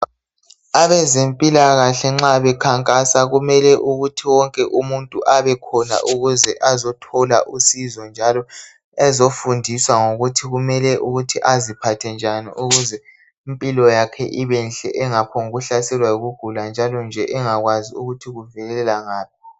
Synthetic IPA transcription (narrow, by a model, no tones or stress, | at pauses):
aβɛzempʼilaɣaɬɛŋ͡ǁaβɛkʰaŋkʼasaɣumɛlɛʔuɣutʰiwɔŋkʼɛʔumuntʼuʔaβɛkʰɔna̰ʔuɣuzɛʔazɔtʰɔla̰ʔusizɔnd͡ʒʱalɔ | ɛzofundʱiswaŋoɣutʰiɣumɛlɛʔuɣutʰiʔazipʰatʰɛnd͡ʒʱanḭʔuɣuzɛ | impʼilɔjakʰɛʔiβɛnɬɛʔɛŋapʰɔŋuɣuɬasɛlwajoɣuɡ̥ʱuland͡ʒʱalɔnd͡ʒʱɛʔɛŋaɣwaziuɣutʰiɣuvɛlɛlɛlaŋaːp̚ʰi̥